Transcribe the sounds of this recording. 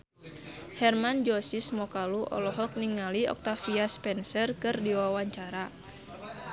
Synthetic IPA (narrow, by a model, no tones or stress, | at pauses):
hɛrmand͡ʒɔsismɔkaluʔɔ̰lɔɦɔk̚niŋaliɔ̰k̚t̪afiaspɛnsɛrkɨrdiwawaɲt͡ʃaɾa